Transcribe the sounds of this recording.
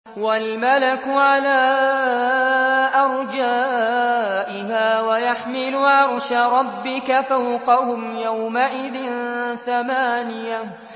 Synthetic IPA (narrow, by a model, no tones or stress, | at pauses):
walmalakʊʕalaː | ʔɑɾˤd͡ʒaː | ʔɪɦaːwajaħmɪlʊʕɑɾˤʃaɾˤɑbːɪkafawqɑhʊmjawmaʔɪðɪnθamaːnɪja